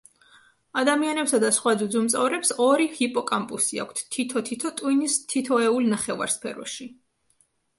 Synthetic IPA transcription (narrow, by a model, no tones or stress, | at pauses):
ad̪amianɛpsad̪asχwad̪zud̪zumt̪sʼɔvɾɛpsɔɾihipʼɔkʼampʼusia̰kʰʷt̪ʰt̪ʰːit̪ʰɔt̪ʰit̪ʰɔt̪ʼwinist̪ʰit̪ʰɔɛulnaχɛva̰ɾspʰɛɾɔ̰ʃi